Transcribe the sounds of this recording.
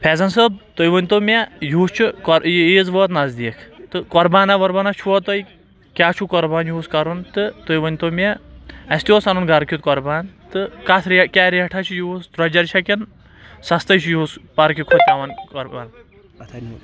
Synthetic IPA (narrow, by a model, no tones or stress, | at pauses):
pʰɛːzɐnsɐb̚t̪ojʋɐnʲt̪omʲajuːst͡ʃʰukɔɾjeːzʋəːt̪nɐzd̪iːkʰt̪ɨkɔɾbaːnaʋɐɾbɐnat͡ʃʰuɔt̪oj | kʲaːt͡ʃʰukɔɾbaːnjuːskɐɾunt̪ɨt̪ojʋɐnʲt̪omʲaɐst̪ʲjoːsɐnunɡɐɾkʰʲit̪kɔɾbaːnt̪ɨkat̪ʰɾkʲaːɾiɐʈʰat͡ʃʰijust̪ɾɐd͡ʒɐɾt͡ʃʰɐkʲin | sɐst̪ɐjt͡ʃʰijuːspɐɾkʲikʰut̪aʋɐnkɔɾban